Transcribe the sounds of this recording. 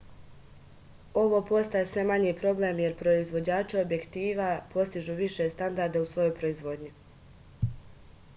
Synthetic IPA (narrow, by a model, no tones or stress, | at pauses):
o̞ʋo̞po̞st̪ajesʋe̞maɲipɾo̞blemje̞ɾpɾo̞izʋo̞d͡ʑaːt͡ʃio̞bje̞kt̪iːʋapʰo̞st̪iʒuːʋiʃe̞st̪and̪aɾd̪ausʋo̞jo̞jpɾo̞izʋo̞d̪ɲi